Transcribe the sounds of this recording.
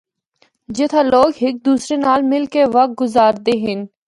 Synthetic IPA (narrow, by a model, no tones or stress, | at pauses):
d͡ʒɪt̪ʰãloːɡɦɪk̚d̪uːsɾenaːlmɪlkeʋɐk̪̚ɡʊzaːɾd̪eɦɪn